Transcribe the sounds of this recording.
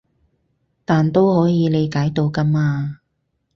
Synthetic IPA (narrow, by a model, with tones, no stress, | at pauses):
t̪aː˨nt̪o˥whɔː˨˥jiː˨˧le˨˧jkaː˨˥jt̪o˨˧wkɐ˥maː˧